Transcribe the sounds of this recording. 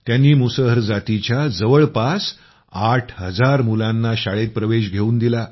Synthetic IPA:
t̪janːiːmusəɦəɾd͡zat̪it͡ɕjad͡zəʋəɭpas | aʈʰɦəd͡zaɾmulãnːaɕaɭet̪̚pɾəʋeɕɡʱeuːnd̪ila

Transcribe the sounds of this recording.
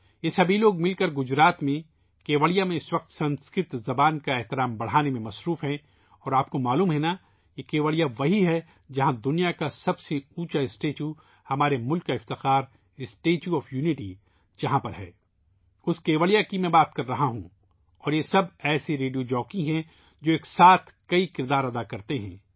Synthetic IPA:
jesɐbʱiloːɡmɪlkɐɾɡʊd͡ʒɾaːt̪mẽ | keːʋəɭijamẽɪsʋɐq̚t̪sɐ̃nskɾɪt̪zɐbaːnkaɛɦt̪ɪɾaːmbɐɽ̤aːnemẽmɐsɾuːfɦɛ̃ | ɔːɾaːp̚komaːluːmɦɛna | jekeːʋəlijaʋɐɦiɦɛ | d͡ʒɐɦãd̪ʊnijakasɐbseuːt͡ʃaɪsʈeːt͡ʃju | hɐmaːɾemʊlkːaɪft̪ɪxaːɾ | ɪsʈeːt͡ʃjuɔːfjuːnɪʈi | d͡ʒɐɦãpɐɾɦɛ̰ː | ʊskeːʋəɭijakimɛ̃ːbaːt̪kɐɾːɐɦaɦṵ̃ | ɔːɾjesɐbɛːseɾeːɖijod͡ʒɔːkĩɦɛ̃ | d͡ʒoːeːksaːt̪ʰkɐikɪɾd̪aːɾɐd̪akɐɾt̪eɦɛ̰̃ː

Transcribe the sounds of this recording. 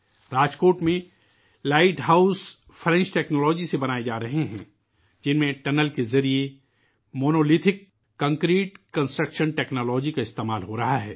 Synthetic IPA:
ɾaːd͡ʒkoːʈmẽ | laːɪʈɦaːʊs | fʰɾɛ̃nt͡ʃʈɛːknɔːlɔːd͡ʒisebɐnaːed͡ʒaːɾɐɦeɦɛ̰̃ː | d͡ʒɪnmẽʈɛnəlkezɐɾie | moːnoːlɪt̪ʰɪkː | ɐ̃ŋkɾiːʈkɐ̃nsʈɾəkʃənʈɛːknɔːlɔːd͡ʒikaɪst̪eːmaːlɦoɾɐɦaɦɛː

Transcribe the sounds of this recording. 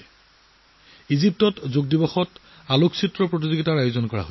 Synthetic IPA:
izip̚tɔtzoɡ̚dibɔxɔt | aloksʰitɹɔpɹot̬izoɡitaɹajozɔnkɔɹa̰ɦo

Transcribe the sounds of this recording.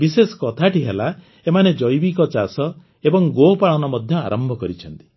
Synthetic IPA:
bisesɔ̥kɔt̪ʰaʈiɦela | emaned͡ʒɔjbikɔt͡ʃasɔ | ebɔŋɡopaɭɔnɔmɔd̪ʱjɔa̰ɾɔmbʱɔkɔɾit͡ʃʰɔnt̪i̥

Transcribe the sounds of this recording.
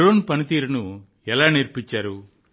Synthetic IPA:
ɾoːnpɐnit̪iːɾunu | ɛlaːniɾpiɲt͡ʃːaːɾu

